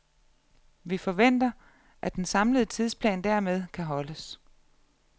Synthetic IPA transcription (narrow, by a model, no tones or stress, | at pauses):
ʋifɒ̽ʋen̰d̥ɐ | ʔæd̥ensɑ̈mləð̞̩ˠət͡sʰið̞ˠspʰlɛ̰ːnd̥æɐ̰með̞ˠkʰæɦɒ̽ləs